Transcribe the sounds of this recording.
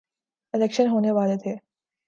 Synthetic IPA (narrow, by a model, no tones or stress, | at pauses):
ɪlɛːkʃənɦoːneʋaːlet̪ʰeː